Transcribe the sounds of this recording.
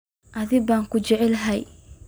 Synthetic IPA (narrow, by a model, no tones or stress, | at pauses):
ʔɐðɪbaːŋkʰʊd͡ʒɛʕɛlɦɛj